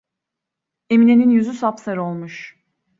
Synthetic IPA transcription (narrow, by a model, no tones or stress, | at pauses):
e̞mine̞ninjyzysapsaɾo̞lˠmuʃ